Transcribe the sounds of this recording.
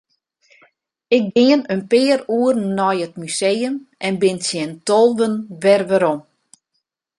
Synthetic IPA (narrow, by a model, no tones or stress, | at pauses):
ɪk̚ɡɪənənpɪːəruərnːɔjətmyseːjəmʔɛnbɪnsjɛntɔlˠʋənʋɛrʋəɾɔm